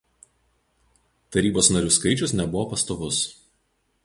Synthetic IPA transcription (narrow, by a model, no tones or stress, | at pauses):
t̪ɐɾʲiːboːsnɐɾʲuːskɐɪt͡ʃʲʊsnʲɛbʊʋoːpɐst̪oːʋʊs